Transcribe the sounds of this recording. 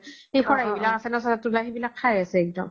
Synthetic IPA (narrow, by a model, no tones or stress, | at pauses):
ejxʰɔɹaɦebilakasɛnasɛatulaɦibilakʰːajasɛɛk̚dɔ̰m